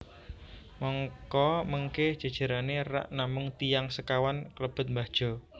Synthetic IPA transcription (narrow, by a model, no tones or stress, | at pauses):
mɔŋkɔməŋkɛhd̥ʒ̥a̤d̥ʒ̥a̤ɾanera̰ʔnamʊŋt̪ijaŋsəkawankələb̥ə̤t̪̚mbad̥ʒ̥ɔ̤